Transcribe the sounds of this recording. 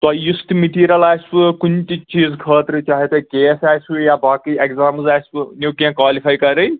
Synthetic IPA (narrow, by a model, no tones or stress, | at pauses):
t̪ɔjust̪miʈiːɾalaːjspɨkunt̪it͡ʃiːzkʰəːt̪ɾɨt͡ʃaːɦet̪ɐkeːsaːjsujabʱaːkɨjekzaːmzaːjspɨnekãkwaːlipʰajkɐɾɐj